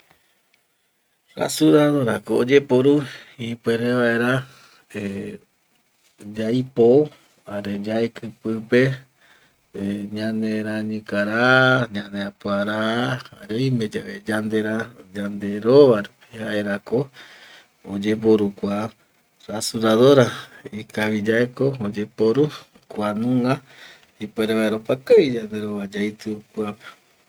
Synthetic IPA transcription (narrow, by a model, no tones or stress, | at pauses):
ɾa̰suɾaɾoɾa̰koːd͡ʒe̞poɾuipweɾeʋae̞ɾa | e | d͡ʒajpo | aɾed͡ʒaekʰɨpɨpe̞ | ɲãnẽɾaɲɨ̃kaɾaɲãneapuaɾaaɾeimẽd͡ʒaβed͡ʒand̪e̞ɾad͡ʒand̪e̞ɾoβaɾ | ehaeɾako | od͡ʒep̬oɾukʷa | ɾasuɾaðoɾaikaβid͡ʒaekood͡ʒe̞poɾu | kʷanũŋa | ipeɾeβaeɾopakaid͡ʒand̪e̞ɾoβad͡ʒajt̪ɨokwape̥